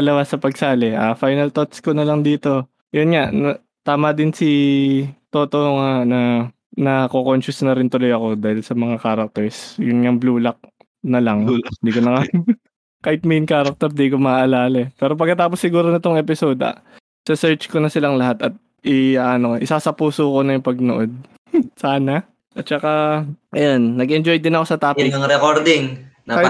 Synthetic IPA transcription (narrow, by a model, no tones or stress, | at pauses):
ɐlɐwasɐpɐɡsaːlɛʔafajnɐlt̪ot̪skonɐlɐŋd̪iːt̪o̞ | jonŋaʔn | t̪aːmɐd̪ɪnsi | t̪oːt̪oŋanɐ | nɐkokonʃʊsnɐɾɪnt̪ʊlojɐko̞d̪aːhɪlsɐmɐŋakaːɾɐk̚t̪ɛɹsjʊnŋɐŋbluːlɐk̚ | nɐlɐŋd̪iːkonɐŋa | kaːhɪt̪̚mejnkaːɾɐk̚t̪ɛɾd̪iːkomɐaʔɐlaːlɐɛpɛːɾo̞p̬ɐɡkːɐt̪aːposːɪɡuːɾonɐt̪oŋɛpɪsoːd̪ɐ̰ | sɐsɛɹt͡ʃkonɐsɪlaŋlɐɦat̪ɐt̪̚ | ʔɪaːʔɐno̞ʔɪsasɐpuːsoːko̞nɐjʊŋpɐɡ̚noʔo̞d̪̚ | saːna | ʔɐt̪̚t͡ʃɐkaʔɐjonːɐɡʔɛnd͡ʒojd̪ɪnɐko̞sɐt̪aːpɪɐŋɾɛkoɾd̪ɪŋnɐka